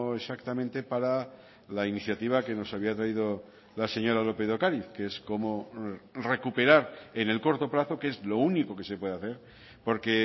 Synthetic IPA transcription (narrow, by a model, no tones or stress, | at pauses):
e̞sakt̪amẽnt̪e̞paɾa | lainiθjat̪iβ̞ake̞no̞saβiat̪ɾaiðo | lase̞ɲo̞ɾalo̞peðo̞kaɾiθkeesko̞mo̞re̞kupe̞ɾaɾe̞ne̞lko̞ɾt̪o̞plaθo̞kee̞zlo̞uniko̞ke̞sepwe̞ð̞aθe̞ɾ | po̞ɾke̞